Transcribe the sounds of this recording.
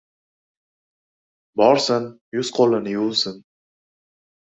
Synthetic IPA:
bɒɾsɪn | jʊz̥qʰolˠɪnɪjulˠsɪn

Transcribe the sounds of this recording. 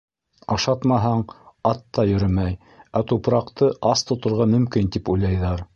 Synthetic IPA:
ɑʃɑt̪mɑɦɑɴɑt̪ːɑjɵ̆ɾɘmæj | æt̪upɾɑqt̪ɤʔɑst̪ŏt̪ŏɾʁɑmɵ̆mkint̪ipujlˠɑjðɑɾ

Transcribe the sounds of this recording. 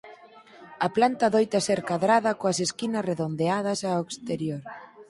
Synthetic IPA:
ɐplant̪ɐðojt̪ɐsɛɾkaðɾaðɐkoɐseskinɐsreðond̪eað̞ɐsaekst̪eɾjoɾ

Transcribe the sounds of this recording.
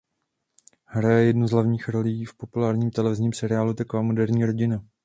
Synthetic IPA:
hɾajɛjɛdnuzɦlavɲiːxɾo̞liːfpo̞pulaːɾɲiːmt̪ɛlɛvɪzɲiːmsɛɾɪaːlut̪akovaːmo̞dɛɾɲiːɾo̞ɟɪna

